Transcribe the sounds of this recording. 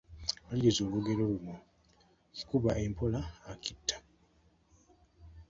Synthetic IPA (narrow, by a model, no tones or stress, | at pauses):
βaliɾizo̞ːβuɡe̞ɾoβumo | ci̥kuβaʔe̞mpʰo̞laːkitːḁ